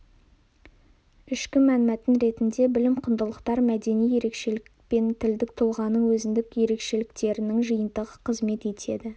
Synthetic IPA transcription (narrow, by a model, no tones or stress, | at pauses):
ɪʃkʲɪmænmæt̪ɪnɾe̞t̪ɪnd̪e̞bɪlɪmqʰʊnd̪əlˠəqt̪ɑɾmæd̪e̞nije̞ɾe̞kʃe̞lɪkk̚pe̞nt̪ʰɪld̪ɪk̚t̪ʰolˠʁɑnəɴwɵzɪnd̪ɪkje̞ɾe̞kʃe̞lɪk̚t̪e̞ɾɪnɪŋʒəjənt̪əʁəqʰəzme̞t̪e̞t̪ʰe̞̰d̪ɪ